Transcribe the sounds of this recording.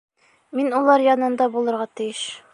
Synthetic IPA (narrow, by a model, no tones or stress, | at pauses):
minulˠɑɾjɒnɤ̆nd̪ɑbulˠɤ̆ɾʁɑt̪ɘ̆jɘʃ